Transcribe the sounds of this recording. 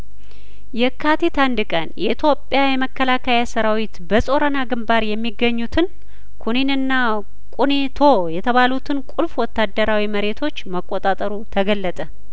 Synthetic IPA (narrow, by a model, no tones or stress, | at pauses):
jɛkʰːat̪it̪and̪ɨkʼənjɛʔit̪ʰjo̞pʼːjajɛməkːəlakʰajasəɾawit̪bəsʼo̞ɾənaɡɨmbaɾjɛmːiɡːəɲːut̪ʰɨn | kʰuninɨnːa | kʼunit̪ʰo̞jɛt̪ʰəβalut̪ʰɨnkʼulfwɔt̪ʰːad̪ːəɾawiməɾe̞t̪ʰo̞t͡ʃːməkʼːot̪ʼat̪ʼəɾut̪ʰəɡəlːət̪ʼə